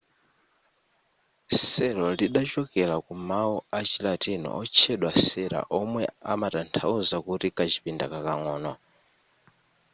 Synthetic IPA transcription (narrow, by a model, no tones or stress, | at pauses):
sɛɾɔliɗat͡ʃɔkɛlakumauat͡ʃilatinɔ̰ʔɔt͡ʃʰɛɗwasɛɾa̰ʔɔmwɛamatantʰauzakutikat͡ʃi̥pinda̰kakaŋɔːnɔ